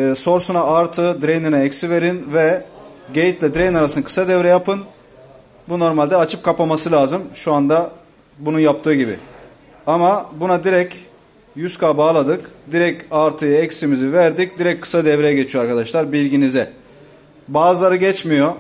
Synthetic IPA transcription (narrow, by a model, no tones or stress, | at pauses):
so̞ɾsunaaɾt̪ʰɯd̪ɾejninɛɛcsive̞ɾinvɛɟejit̪lʲɛd̪ɾejnaɾasɯnakʰɯ̥sad̪ɛvɾɛjapʰɯn | buno̞ɾmalʲd̪ɛat͡ʃʰɯp̚kʰapamasɯlʲaːzɯmʃuand̪a | bununjap̚t̪ʰɯːɟibḭ | amabunad̪iɾɛc | jyskʰabaːlˠad̪ɯkd̪iɾɛcaɾt̪ʰɯjɯɛcsimizivæɾd̪ic̚d̪iɾɛckʰːɯ̥sad̪ɛvɾejɛɟe̞t͡ʃʰijo̞aɾkʰad̪aʃlˠaɾbilʲɟinizɛ | baːzɯlˠaɾɯɟɛt͡ʃmijo̞